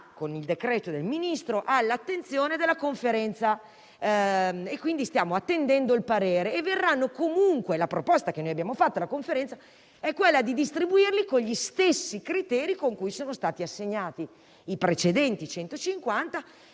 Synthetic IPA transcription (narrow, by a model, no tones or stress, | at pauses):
konild̪ekɾɛːt̪od̪elminist̪ɾoʔalːat̪ːent̪sjoːned̪elːakoɱfeɾɛnt̪sa | ekwind̪ist̪jaːmoat̪ːend̪ɛnd̪oilpaɾeːɾeːvːerːanːokomuŋkwelapɾopɔst̪ak̟enojabjaːmofat̪ːolakoɱfeɾɛnt̪sa | ɛkːwelːad̪id̪ist̪ɾibuirlikoɲʎist̪esːikɾit̪ɛːɾikoŋkujsoːnost̪aːt̪iasːeɲːaːt̪i | ipɾet͡ʃed̪ɛnt̪it͡ʃɛnt̪ot͡ʃiŋkwant̪a